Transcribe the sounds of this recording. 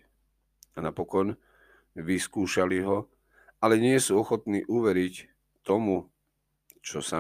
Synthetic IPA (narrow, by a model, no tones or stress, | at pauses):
anapɔkɔn | ʋiskuːʃaliɦɔ | alɛɲɪɛsuːɔxɔt̪niːʔuʋɛɾic | t̪ɔmu | t͡ʃɔsa